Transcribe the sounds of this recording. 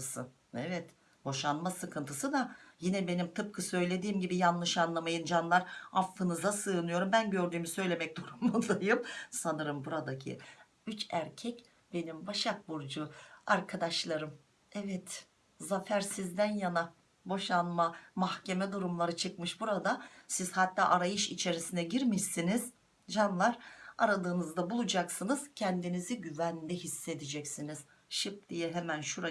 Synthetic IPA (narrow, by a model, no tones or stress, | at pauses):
sɯ̰ | ɛvɛt̪ | bo̞ʃanmasɯkʰɯnt̪ʰɯsɯd̪ajinɛbe̞nimt̪ʰɯp̚kʰɯsø̞jlʲe̞d̪iːmɟibijanlːˠɯʃanlˠamajɯnd͡ʒanlˠaɾafːɯnɯzasɯːnɯjo̞ɾumbænɟø̞ɾd̪yːmisø̞jlʲe̞mɛc̚d̪uɾumud̪ˠajɯmsanɯɾɯmbuɾad̪acʰḭ | yt͡ʃæɾcʰɛc | b̥e̞nimbaʃak̚buɾd͡ʒuaɾkʰad̪aʃlˠaɾɯm | ɛvɛt̪ | zafæɾsizd̪ænjana | bo̞ʃanmamahcʰe̞mɛd̪uɾumlˠaɾɯt͡ʃʰɯkmɯʃbuɾad̪asiz̥hat̪ːaːʔaɾajɯʃit͡ʃʰe̞ɾisinɛɟiɾmiʃsiniz̥ | d͡ʒanlˠaɾaɾad̪ɯːnɯzd̪abulˠud͡ʒaksɯnɯz̥cʰɛnd̪iniziɟyvænd̪ɛhisːe̞d̪id͡ʒɛcsiniz̥ | ʃɯp̚d̪ijɛɦemænʃuɾa